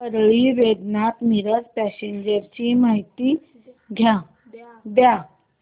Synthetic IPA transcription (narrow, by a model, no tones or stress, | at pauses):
əɾɭiːʋed̪nat̪miɾət͡spæseɲd͡ʑəɾt͡ɕiːmaɦit̪iː | ɡʱja | d̪ja